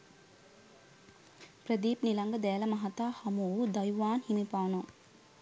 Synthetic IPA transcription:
pɾəd̪iːpnilaŋɡəd̪ɛːləmɐɦat̪aːhɐmud̪ajuʋaːnhimipaːno

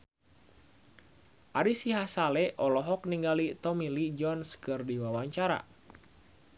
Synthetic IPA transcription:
ʔaɾisiɦasalɛʔɔlɔɦɔk̚niŋɡalit̪ɔmilid͡ʒɔnskɨrdiwawaɲt͡ʃaɾa̰

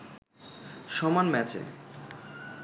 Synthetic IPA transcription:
ʃɔmanmɛt͡ɕḛ

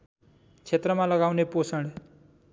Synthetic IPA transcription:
kʰet̪ɾəmãləɡaːʋneposəɳɖ

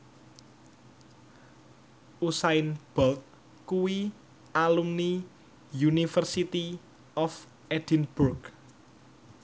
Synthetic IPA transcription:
ʔusaɪnb̥ɔlk̚ | kuwi | alumni | junifərsit̪i | ɔf | ɛd̪̥inburɡ

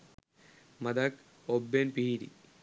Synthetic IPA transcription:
mɐd̪ak | obːenpiiɾḭ

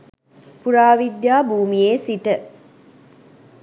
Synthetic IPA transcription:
puɾaːʋid̪jaːbuːmijeːsiʈə

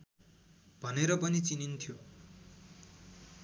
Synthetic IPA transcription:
bʱʌneɾʌpʌnit͡sinint̪ʰjo

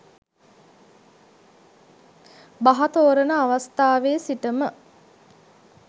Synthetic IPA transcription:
baɦat̪oːɾənəaʋast̪aːʋeːsiʈəmə

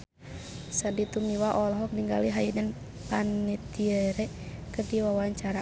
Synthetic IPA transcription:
sadit̪umiwaʔɔlɔɦɔk̚niŋɡa̰liɦajinən | panːit̪iəɾɛ | kərdiwawaɲt͡ʃaɾa

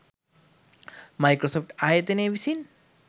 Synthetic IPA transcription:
majkɾosɔfʈajet̪enebisin

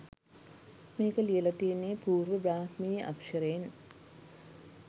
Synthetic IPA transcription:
meːkəlijəlat̪ienːepuːrʋəbaːhmiːjʔa̰kʂəɾəjen

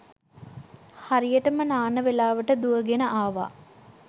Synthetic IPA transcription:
haɾijəʈəmənaːnəʋelaːʋəʈəd̪uəɡenəʔaːʋa̰ː

